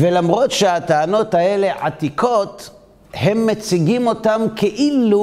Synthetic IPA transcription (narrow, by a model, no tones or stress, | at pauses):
velamʁo̞t̪ʃeat̪aano̞t̪ae̞le̞ʕa̰t̪ikʰo̞t̪ | he̞mːet͡siɡimo̞tamkʰeʔilu